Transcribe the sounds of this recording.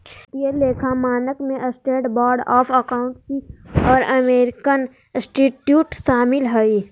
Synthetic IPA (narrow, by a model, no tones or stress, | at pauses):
t̪jeleːkʰamaːnəkmẽʔəsʈeːʈbɔːɾɖɔːpʰəkaːʊ̃ɳʈsiɔːɾɐmeːɾɪkən | sʈiʈjuːʈʃaːmɪlɦəi